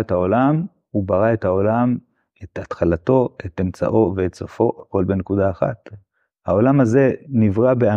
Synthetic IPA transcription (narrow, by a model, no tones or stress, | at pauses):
etao̞lam | ubaʁae̞thao̞lam | etat̪χalato̞etemt͡sa̰ʔo̞veetsofo̞ko̞lbenekudaːχa̰t | hao̞lamaze̞nivʁabea